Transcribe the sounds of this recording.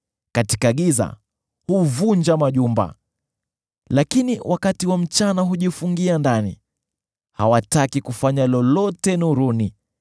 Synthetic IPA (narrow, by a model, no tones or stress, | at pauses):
katikaɠiza̰ | huvuɲd͡ʒamaʄumba̰ | lakiniwakatiwam̩t͡ʃanaɦuʄifuŋɡiandanḭ | hawatakikufaɲalɔlɔtɛnuɾuni